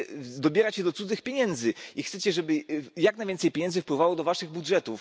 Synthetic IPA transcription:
d̪ɔbʲjɛɾat͡ɕɛd̪ɔt̪sud̪zɘxpʲjeɲɛnd̪zɘixt̪sɛt͡ɕɛʐɛbɘjaknajvʲjɛnsɛjpʲjeɲɛnd̪zɘfpwɘvawɔd̪ɔvaʂɘɣbudʐɛt̪uf

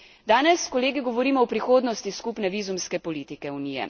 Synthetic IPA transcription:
d̪aːnɛskɔleːɡiɡɔʋɔɾiːmɔɔpɾixoːd̪nɔst̪iskupnɛʋiːzumskɛpɔliːt̪ikɛuniːjɛ̰

